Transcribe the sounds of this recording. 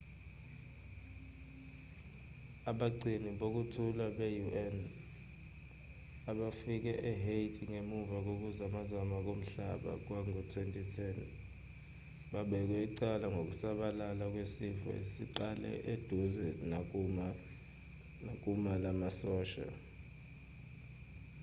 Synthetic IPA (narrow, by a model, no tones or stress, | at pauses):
aɓaǀiniɓok̬utʰulaɓejuʔɛn | aɓafik̬ɛʔɛɦetʰʼiŋemuvak̬ok̬uzamazamak̬ʼom̩ɬaɓa̰k̬waŋutʰwentʼitʰɛn | ɓaɓɛk̬wɛiǀalaŋɡʱok̬usaɓalalak̬wesivɛ̰esiǃalɛ̰ʔed̥ʱuzɛn | ak̬ʼumalamasɔːʃa̰